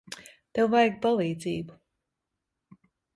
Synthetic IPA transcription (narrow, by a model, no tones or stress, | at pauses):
t̪ɛwvajɡ̚palˠiːd̪ziːbu